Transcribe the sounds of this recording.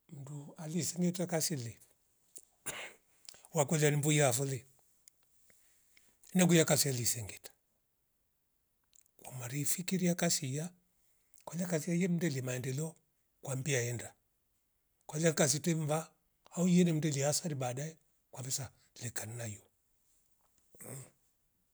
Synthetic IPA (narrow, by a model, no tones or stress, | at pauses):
m̩dualisɛŋɡɛtakasili | wakɔlianimbujafuli | nɛɡujakasialisɛŋɡɛtḁ | kwamaɾifikiɾiakasija | kwalakas̬ijajɛm̩dɛlimaɛndɛlɔ | kwambiaɛnda | kwalakas̬itɛɱva | aujɛnɛm̩dɛliasaɾiɓadaɛ | kwambɛsa | lɛkannajɔ